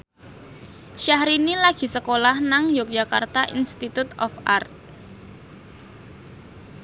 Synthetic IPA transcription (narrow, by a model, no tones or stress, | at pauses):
ʃahɾinilaɡ̥i̤səkolahnaŋjʊk̚dd͡ʒa̤ka̰rt̪aʔḭnst̪it̪ut̪ɔfa̰rt̪̚